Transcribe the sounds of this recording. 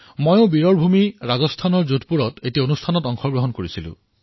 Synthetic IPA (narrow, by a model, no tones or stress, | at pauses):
mojõʊbiɹɔɹbʱumiɹazɔstʰanɔɹzutpuɹɔtetiaonustʰanɔtɔŋxɔɡɹoɦɔnkoɹisilʊ̰̃